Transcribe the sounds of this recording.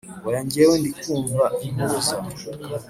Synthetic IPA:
wajaɲɟijewendikuːɱvaimuɾuza

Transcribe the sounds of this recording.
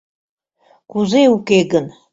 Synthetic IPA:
kuzeukeɡən

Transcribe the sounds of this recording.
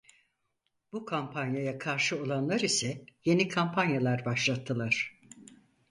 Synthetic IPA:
b̥ukʰampʰanjajakʰaɾʃɯo̞lˠanlˠaɾisɛje̞nikʰampʰanjalˠaɾbaʃlˠat̪ʰːɯlˠaɾ̥

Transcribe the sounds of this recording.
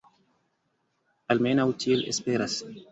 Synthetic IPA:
almenawtielḛspeɾas

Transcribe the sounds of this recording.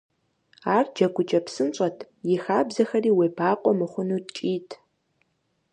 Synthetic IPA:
aːrd͡ʒɐɡʷʊt͡ʃʼɐpsɨnt͡ʃʼɐtʰ | jɪxaːbzɐxɐriːweːpʰaːqʷʼɔmɨχʷʊnuːt̚t͡ʃʼiːtʰ

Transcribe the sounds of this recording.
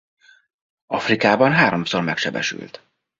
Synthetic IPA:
ɒfrikaːbɒnɦaːɾo̞msormɛkʃɛbɛ̰ʃy̰lt̪

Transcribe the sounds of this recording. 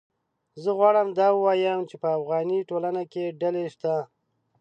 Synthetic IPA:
zəɣwɑɽəmd̪ɑwəwɑjəmt͡ʃepəafɣɑniʈolanakeɖaleʃt̪a

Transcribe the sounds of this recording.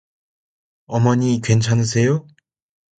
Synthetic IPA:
ʌmʌɲikɥe̞nt͡ɕʰanɯs̬ʰe̞jo

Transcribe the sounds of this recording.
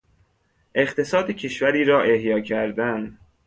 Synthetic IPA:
ʔe̞χt̪ʰe̞sɒːd̪ecʰe̞ʃvæɾiːɾɒːʔe̞hjɒːcʰæɾd̪æn

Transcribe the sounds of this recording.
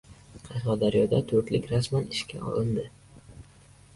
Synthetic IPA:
qʰɑʃqɑd̪aɾijɒd̪at̪ʰɵɾt̪lɪkʲɾasmanɪʃkʲa̰ɒ̰lˠɪnd̪ɪ

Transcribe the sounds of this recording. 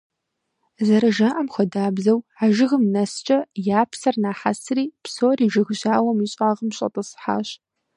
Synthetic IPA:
zɐɾɐʒaʔɐmxʷɔdaːbzɐwaːʒɪɣəmnɐst͡ʃʼɐjaːpʰsɐrnaːħa̰sriːpsoːriːʒɐɣɕaːwɐmiːɕʼaːʁəmɕʼɐ̰tʼɨsħa̰ːɕ

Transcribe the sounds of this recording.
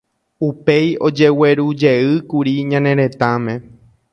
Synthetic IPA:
upe̞jo̞d͡ʒe̞we̞ɾud͡ʒeɨkuɾiɲãnẽ̞ɾẽ̞t̪amẽ̞

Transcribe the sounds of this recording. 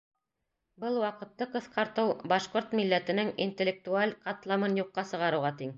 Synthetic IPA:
bɤlˠwɑqɤ̆t̪ːɤqɤ̆θqɑɾt̪ɤwbɑʃqoɾt̪milːæt̪ɘ̆nɘŋinʲt̪ʲĕlʲːek̚t̪ualʲqɑt̪lˠɑmɤnjuqːɑsɤ̆ʁɑɾɤ̆wʁɑt̪iŋ

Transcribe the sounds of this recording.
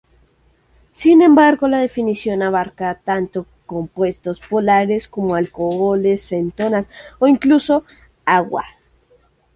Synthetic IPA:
sinẽ̞mbaɾɣo̞laðe̞finisjo̞naβ̞aɾkat̪ant̪o̞ | ko̞mpwe̞st̪o̞spo̞laɾe̞sko̞moalko̞ɣole̞sːe̞nt̪o̞nasoiŋkluso̞ | aɣwa̰

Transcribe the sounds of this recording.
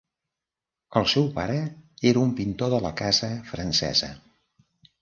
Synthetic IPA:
əlˠsɛwpaɾəeɾəumpint̪oðələkazəfɾənsɛ̰zə̰

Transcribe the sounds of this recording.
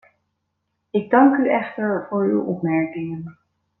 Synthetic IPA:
ɪɡ̚dɑŋkyɛχtəɹvʊːɹy̰wʔɔpmɛɹkɪŋən

